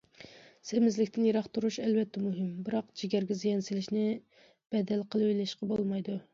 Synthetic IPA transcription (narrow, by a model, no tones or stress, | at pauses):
semɪzlɪkʲt̪ʰɪnjeɾɑχt̪uɾuʃɛlvɛt̪ʰːɛmuɦɪmbɨɾɑqd͡ʒiɡʲæɾɡʲɛzijɛnsɪlɪʃnɪ | b̥ɛd̪ɛlqʰəlˠɨøjlɛʃqɑbolˠmɑjd̪u